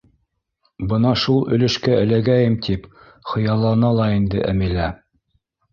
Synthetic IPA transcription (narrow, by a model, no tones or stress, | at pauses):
bɤnɑʃulˠɵ̆lɘ̆ʃkæɘ̆læɡæjɘmt̪ʰip | χɤ̆jɑlˠːɑnɑlˠɑind̪ɘ̰ʔæ̰milæ